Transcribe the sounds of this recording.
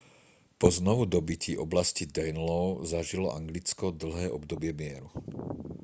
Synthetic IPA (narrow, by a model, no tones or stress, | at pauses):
pɔznɔʋud̪ɔbiciʔɔblascid̪ɛnlɔʊzaʒilɔʔaŋɡlit͡skɔd̪l̩ɦɛːʔɔbd̪ɔbɪɛmɪɛɾu